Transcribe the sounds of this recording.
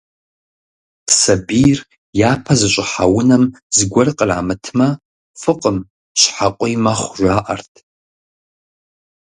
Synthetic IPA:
sɐbiːr | jaːpʰɐzɨɕʷʼɪħawʊnɐm | zɨɡʷɔrqʼəra̰ːmɨtʰmɐ | fɨqʼəm | ɕħaqʷʼʊjmɐχʷʒʷaːʔɐrtʰ

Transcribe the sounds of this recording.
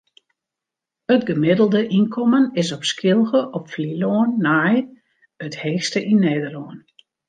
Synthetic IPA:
ətɡəmɪdəlˠdəʔinkʰɔmənɪsɔpskɪlˠɣəʔɔpfliloənːaːj | ətheːxstəʔinːeːdəloən

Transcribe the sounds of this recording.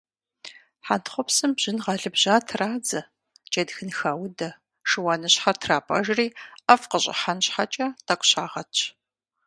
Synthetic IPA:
ħantχʷɔpsɨmbʑ̥ɪnʁɑɮɨbʑaːtʰraːd͡zɐ | t͡ʃʼedxɨnxaːwdɐ | ʂɨwaːnɨɕħɐrtʰraːpʼɐ̰ʒriːɐfqəɕʼɪ̰ħanɕħat͡ʃʼɐtʰɐkʷʊɕaːʁɐt͡ʃʰ

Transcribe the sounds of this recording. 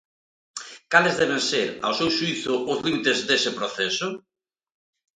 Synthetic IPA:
kalɪzðɛβ̞ẽŋseɾa̰wsewʃuiθʊʔoðint̪ezðesɪpɾoθesʊ

